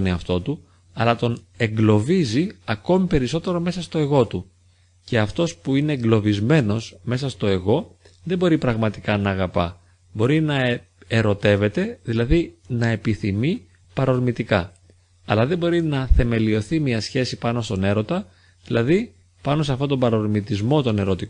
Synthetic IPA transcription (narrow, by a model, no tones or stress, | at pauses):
niɐft̪o̞t̪u | ɐlɐt̪o̞ne̞ŋɡlo̞viziɐko̞mipe̞ɾiso̞t̪e̞ɾo̞me̞sɐst̪o̞e̞ɣo̞t̪u | ce̞ɐft̪o̞spuineŋɡlo̞vizme̞no̞sme̞sɐst̪o̞e̞ɣo̞ | ðe̞bo̞ɾipɾɐɣmɐt̪i̥kɐnɐːɣɐpɐ̰ | bo̞ɾinɐ | eɾo̞t̪e̞ve̞t̪e̞ðilɐðinɐe̞piθimi | pɐɾo̞ɾmit̪ikɐ | ɐlɐðe̞bo̞ɾinɐθe̞me̞lio̞θimiɐsçe̞sipɐno̞st̪o̞ne̞ɾo̞t̪ɐ | ðilɐði | pɐno̞s̬eɐft̪ot̪o̞bɐɾoɾmit̪izmo̞t̪o̞ne̞ɾo̞t̪i